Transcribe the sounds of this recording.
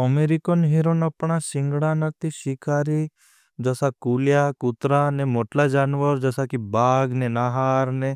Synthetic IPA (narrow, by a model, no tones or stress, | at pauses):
əmeɾikonɦiɾonəpɳasɪŋɡɽanək̚t̪iʃikaːɾi | d͡ʒəsakuljakʊt̪ɾanemoʈlad͡ʒaːnʋəɾd͡ʒəsakibaːɡnenaɦaːɾne